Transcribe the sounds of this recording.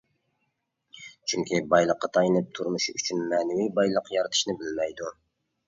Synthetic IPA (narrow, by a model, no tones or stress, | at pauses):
t͡ʃʰyŋkʲʰibɑjlˠəqːɑt̪ʰɑjnɨp̚t̪ʰuɾmuʃyt͡ʃʰynmɛnɪwibɑjlˠəqjɑɾɨt̪ʰɨ̥ʃnɨbɪlmɛjd̪u